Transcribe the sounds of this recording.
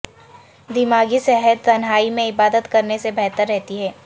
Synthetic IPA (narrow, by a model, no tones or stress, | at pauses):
d̪ɪmaːɡisɛɦəd̪̚t̪ɐnɦaːimẽɪbaːd̪ət̪kɐɾnesebɛɦt̪əɾːɛɦt̪iɦɛː